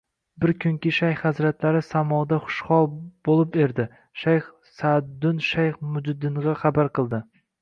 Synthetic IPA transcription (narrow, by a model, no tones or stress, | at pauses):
bɪɾkʰʲʊŋkʲɪʃajχhazɾat̪laɾɪsamɒd̪aχʊ̥ʃχɒlˠb̥olˠɪp̚e̞ɾd̪ɪ | ʃajχ | sad̪ːʊnʃajχmʊd͡ʒd̪ɪɴʁɑχɑbaɾqʰɨlˠd̪ɪ